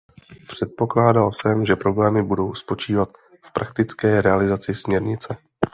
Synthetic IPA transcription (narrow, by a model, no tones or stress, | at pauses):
pr̝̥ɛt̪̚po̞klaːdalsɛmʒɛpɾo̞blɛːmɪbudo̞wspo̞t͡ʃiːvat̪ | fpɾʔakt̪ɪt͡skɛːɾɛalɪzat͡sɪsmɲɛɾɲɪt͡sɛ